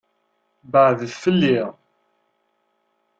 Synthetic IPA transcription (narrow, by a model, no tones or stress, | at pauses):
bəʕððfəlːiʁ